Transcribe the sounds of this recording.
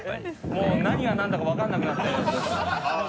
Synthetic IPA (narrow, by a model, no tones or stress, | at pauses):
moːnaɲ̟iβanãnd̪akaβakãnːakɯ̟nat̪ːao